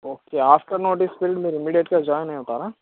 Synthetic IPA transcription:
oːkeːaːfʈəɾnoːʈɪspɪɾɪʈmeːɾɪmiːɖijeʈkad͡ʒɔːjnɐɦĩɦʊt̪aːɾaː

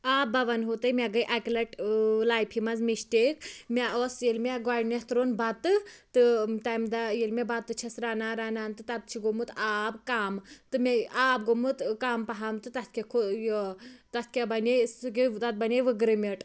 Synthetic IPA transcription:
aːbɐʋɐnɦot̪ɐjmʲaɡɐjʔakʲlɐʈlaːjpʰimɐzmiʃʈeːkmʲaosjelmʲeɡaːɖnest̪ɾoːnbɐt̪ɨt̪ɨt̪ajmd̪ajelmʲebat̪ːɨt͡ʃʰɐsɾaːnaːɾaːnant̪ɨt̪ɐt̪̚t͡ʃʰiɡomut̪aːbkaːmt̪ɨmeaːbɡomɨt̪kaːmpɐɦaːmt̪ɨt̪ɐt̪ʰkʲekʰojt̪ɐt̪ʰkʲabɐneskit̪ɐt̪̚bɐneʋɨɡɾɨmʲeʈ

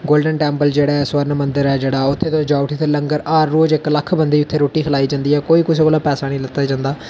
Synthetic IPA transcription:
ɡoːlɖənʈɛːmpəld͡ʒeːɽaːsʋəɾnmənd̪əɾɛːd͡ʒeːɽaːʊt̪ʰːeːt̪õːd͡ʒaːʊʈʰiːt̪eləŋɡəɾʔaːɾːoːd͡ʒɪkləkʰbənd̪eiːʊt̪ʰːeːɾoːʈiːkʰəlaːiːd͡ʒãːnd̪iːɦɛːkoːiːkʊs̬eːkoːlaːpɛːsaːnĩːlət̪aːd͡ʒãːnd̪aː

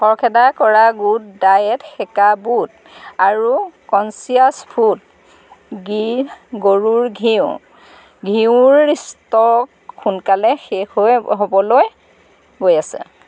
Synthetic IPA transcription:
xɔɹkʰɛdakɔɹaɡutdajɛtxɛkabut | aɹukɔnsiaspʰut | ɡiɡoɹuɹɡʱiʊ | ɡʱiʊɹːistɔ | xunkalɛxexojɦobɔloj | ɡojasɛ̰

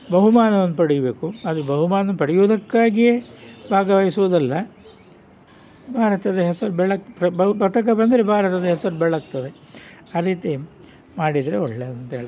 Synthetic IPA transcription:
bɐɦumaːnɐʋɐnːupɐɽijɐbe̞ːkuɐd̪ubɐɦumaːnɐnːupɐɽijuʋd̪ɐkːaːɡijebʱaːɡɐʋɐːjisuʋud̪ɐlːɐ | bʱaːɾɐt̪ɐd̪ɐɦɛsɐɾubɛɭɐkɾɐbɐpɐt̪ɐk̬ɐbɐnd̪ɐɾebʱaːɾɐt̪ɐd̪ɐɦɛsɐɾubɛɭɐk̚t̪ɐd̪e | aːɾiːt̪i | maːɽid̪ɐɾeoɭːeɐd̪ɐnt̪ɐɦeːɭi

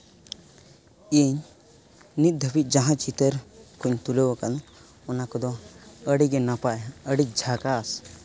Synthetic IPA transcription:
iɲ | nit̪̚d̪ʱəpit̪̚ˀd͡ʒaɦãt͡ʃit̪əɾkuɲt̪ulewakan | ɔnakɔd̪ɔəɽiɡɛnapaəɽik̚d͡ʒʱakas

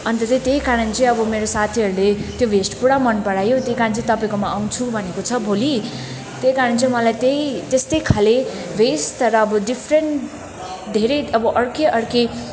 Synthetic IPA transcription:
ʌnt̪ʌt̪ʌt̪eɦikaɾʌnt͡sʌĩʌbʌmeɾosat̪ʰiɦʌɾulet̪jobʱesʈpuɽamʌnpʌɽajot̪jeikaɾnt͡sʌĩt̪ʌpaĩkomaaw̃t͡sʰubʱʌnekot͡sʰʌbʱoli | t̪ejkaɾʌnt͡sʌĩmʌlajt̪eit̪est̪ʌjkʰale | besʈɾʌːbʌɖipʰreɳʈ | d̪ʱeɾejʌbʌʔʌɽkeʔʌɽke

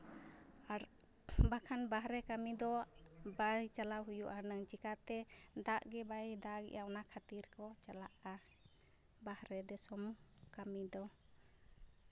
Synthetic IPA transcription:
aɾ | bakʰanbaɦɾɛkamid̪ɔbajt͡ʃalaɦujuʔanəŋt͡ʃikat̪ɛd̪aʔɡɛbajd̪aɡɛ̰ʔaɔnakʰat̪iɾkɔt͡ʃalaʔa | bahɾɛd̪ɛsɔm | kamid̪ɔ

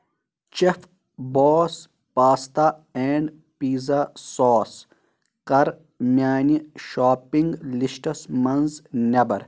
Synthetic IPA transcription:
t͡ʃef | boːs | paːst̪aeːɳɖ | piːzasoːs | kɐɾ | mʲjaːniʃaːpiŋɡlisʈɐsmɐnznʲɐbɐɾ

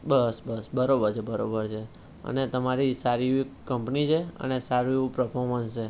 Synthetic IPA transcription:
bəsbəsbəɾobəɾt͡ʃʰebəɾobəɾt͡ʃʰe | ə̰net̪əmaɾisaɾiikəmpnit͡ʃʰeə̰nesaɾipɾəpʰoɾmənst͡ʃe

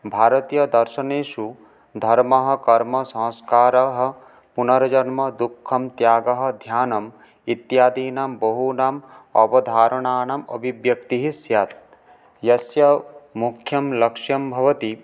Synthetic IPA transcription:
bʱaːɾɐt̪ijɐd̪ɐɾʃɐneːʃu | d̪ʱɐɾmɐɦɐ̆kɐɾmɐsɐ̃ːskaːɾɐɦɐ̆ | punɐɾɐd͡ʒɐnmɐd̪ukʰːɐmt̪jaːɡɐɦɐ̆d̪ʱjaːnɐm | it̪jaːd̪iːnambɐɦunaːmɐbɐd̪ʱaːɾɐɳaːɳɐmɐ̰bʱiʋjɐk̚t̪iɦisjat̪̚ | jɐsjɐmukʰjɐmlɐkʂjɐmbʱɐʋɐt̪i

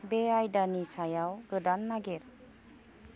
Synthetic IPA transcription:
beajdanisajawɡɯdanːaɡeɾ

